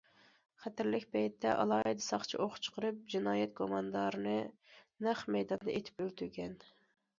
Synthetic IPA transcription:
χæt̪ɪɾlɪkʲpʰɛjt̪ʰːɛʔɑ̰lˠɑːid̪ɨsɑχt͡ʃʰiʔoχt͡ʃʰqʰəɾɨp̚d͡ʒinɑːjɛt̪̚kʰomɑnd̪ɑɾɨnɨnæχmɛjd̪ɑnd̪ɑet̪ʰɪ̥pølt̪ʰyɾɡʲɛn

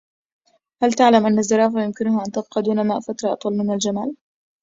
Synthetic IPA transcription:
halt̪aʕlamʔanːazːɑɾˤɑːfajʊmkɪnʊhaːʔant̪ab̚qɑːd̪uːnamaːʔfat̪ɾˤɑʔɑt̪ˤwɑlmɪnnald͡ʒama̰ːl

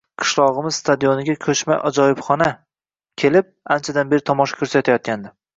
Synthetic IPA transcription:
qʰɨ̥ʃlˠɒʁɨmɪz̥st̪ʰad̪ijonɪɡʲakʲʰɵt͡ʃma̰ʔɒd͡ʒɒjɪpχɒna | kʲʰe̞lɪp̚ant͡ʃʰad̪anbeɾɪt̪ʰɒmɒʃḁkʰʲɵɾsat̪ʰajɒt̪̚kʲand̪ɪ

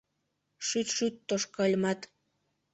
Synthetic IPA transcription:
ʃyt̪ʃyt̪ːoʃkɑlʲmɑt̪

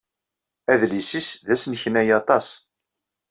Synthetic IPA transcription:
æðlisisðæsnçnæjɑt̪ˤɑs

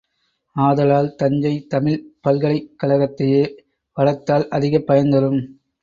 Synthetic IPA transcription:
aːðɐlaːlt̪ɐɲd͡ʒɐɪt̪ɐmɪlpɐlɣɐɭɐɪkːɐlɐɣɐt̪ːɐjeː | ʋɐlɐt̪ːaːlʔɐðɪɣɐpːɐjɐnd̪ɐɾɯm

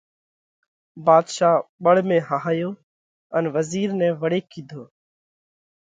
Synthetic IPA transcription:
baːd̪ʃaːɓəɽmẽːɦaːɦaːjoː | ənʋəziːɾnɛ̃ːʋəɽeːkʰːiːd̪ʱoː

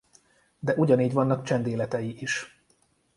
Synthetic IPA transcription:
d̪ɛʔuɟɒniːɟvɒnːɒkt͡ʃɛnd̪eːlɛt̪ɛjiʔiʃ

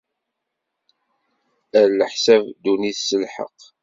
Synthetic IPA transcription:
æɾləħsævd̪uniθsəlħə̰q

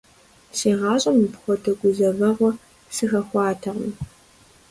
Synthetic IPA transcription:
seːʁɑːɕʼɐmipxʷɔtʰɐɡʷʊzɐvɐʁʷɔ | sɨxɐxʷɑːtʰɐʁm

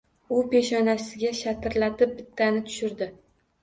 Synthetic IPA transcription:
ʊpe̞ʃɒnasɪɡʲaʃat̪ʰɪɾlat̪ɪp̚bɪt̪ʰːanɪt̪ʰʊ̥ʃɪɾd̪ɪ

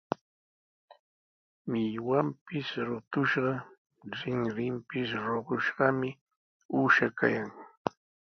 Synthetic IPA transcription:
mɪjwampɪsɾʊt̪ʊʃɢɑ | ɾɪŋɾɪmpɪsɾoɢʊʃɢɑmɪ | uːʃaka̰jaŋ

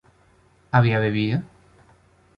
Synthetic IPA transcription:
aβiaβeβiðo

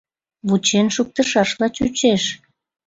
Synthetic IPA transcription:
βut͡ɕenʃuk̚t̪əʃɑʃlɑt͡ɕṵt͡ɕeʃ

